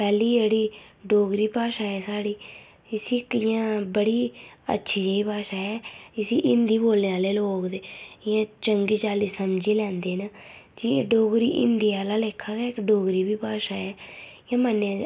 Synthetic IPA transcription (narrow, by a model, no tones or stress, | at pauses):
pɛːliːd͡ʒeːɽiːɖoːɡɾiːpaːʃaːɛːsaːɽiː | ɪsiːkɪjãːbəɽiːə̰tːʃʰiːd͡ʒəiːpaːʃaːɦɛːɪsiːʔɪnd̪iːboːlneaːleːloːkd̪eːɪjãːt͡ʃəŋɡiːt͡ʃaːliːsəmd͡ʒiːlɛ̃ːnd̪eːnəd͡ʒiɖoːɡɾiːʔɪ̰nd̪iːaːlaːleːkʰːaːɡaːɪkɖoːɡɾiːbiːpaːʃaːɛːɪjãːmənːeãː